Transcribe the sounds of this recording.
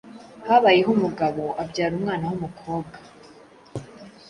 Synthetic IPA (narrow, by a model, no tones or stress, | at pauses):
haβajeɦumuɡaβo̞ʔabɟaːɾumŋaːnahumukʰo̞ːb̚ɡḁ